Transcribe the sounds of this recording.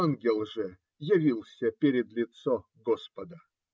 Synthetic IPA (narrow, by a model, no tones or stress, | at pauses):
anɡʲɪlˠʐɨ | jɪvʲilˠsʲəpʲeɾʲɪd̪lʲɪt̪so | ɡospəd̪ə